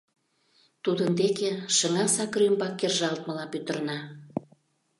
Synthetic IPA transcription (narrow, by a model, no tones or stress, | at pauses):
t̪ud̪ənd̪ekeʃəŋɑsɑkrɾymbɑkːerʒɑlt̪məlɑpyt̪ə̆rnɑ